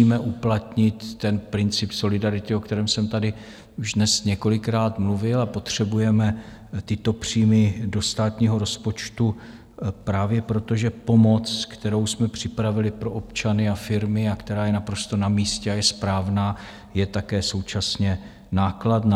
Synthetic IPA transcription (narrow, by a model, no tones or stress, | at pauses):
iːmɛʔuplat̪ɲɪt̪ːɛnpɾɪnt͡sɪpso̞lɪdaɾɪt̪ɪokt̪ɛɾɛːmsɛmt̪adɪ | uʒdnɛsɲɛko̞lɪkɾaːt̪mluvɪlapo̞t̪r̝̥ɛbujɛmɛ | t̪ɪt̪o̞pr̝̥iːmɪdo̞st̪aːt̪ɲiːɦo̞ɾo̞spo̞t͡ʃt̪u | pɾaːvjɛpɾo̞t̪o̞ʒɛpo̞mo̞t͡skt̪ɛɾo̞wsmɛpr̥ɪpɾavɪlɪpɾo̞ʔopt͡ʃanɪafɪɾmɪakt̪ɛɾaːjɛnapɾo̞st̪o̞namiːscɛajɛspɾaːvnaː | jɛt̪akɛːso̞wt͡ʃasɲɛ | naːklat̪n